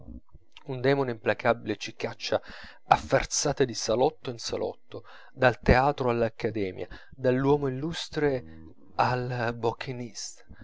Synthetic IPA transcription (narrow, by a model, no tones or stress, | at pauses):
und̪ɛːmoneimplakʰabːilet͡ʃikːat͡ʃːa | afːa̰rt̪saːt̪ad̪isalɔt̪ːoinsa̰lʔɔ̰t̪ːo | d̪alt̪eaːt̪ɾoalːakʰːad̪ɛːmj̰a̰ | d̪alːwɔːmoilːust̪ɾe | albɔkʰːinist̪ḁ